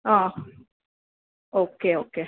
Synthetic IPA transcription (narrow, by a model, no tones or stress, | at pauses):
ɑː | okeːokeː